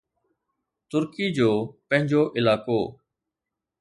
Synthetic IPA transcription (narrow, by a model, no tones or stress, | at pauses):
t̪ʊɾkiːd͡ʑoːpə̃ɦɪ̃ɲd͡ʑoːʔɪlaːkoː